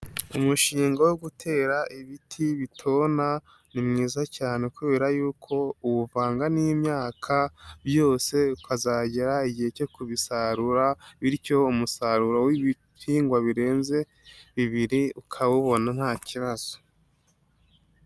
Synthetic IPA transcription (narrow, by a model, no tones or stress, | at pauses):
umuʃiːŋɡawoɡutʰe̞ːɾaʔiβitʰiβitʰo̞ːna | nimŋiːzacaːne̞kuβe̞ːɾajuːkʰo̞uwuvaːŋɡanimɲaːkʰabjo̞ːse̞ukʰazaːɟeɾaiɟihe̞co̞kuβisaɾuɾaβiɾco̞umusaɾuɾowiβi | piːŋɡwaβiɾe̞ːnze̞ | βiβiɾiukʰawuβo̞nan̥haːciβaz̥o̥